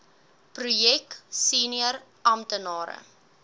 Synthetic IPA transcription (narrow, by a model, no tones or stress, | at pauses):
prujɛksiːniər | ɐmtənɑːɾə̰